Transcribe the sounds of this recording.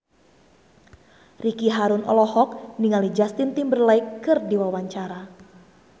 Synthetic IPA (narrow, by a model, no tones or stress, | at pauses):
rikiɦaɾunʔɔ̰lɔhɔk̚niŋalid͡ʒast̪ɪnt̪imbərlaɪkːɨrdiwawaɲt͡ʃaɾa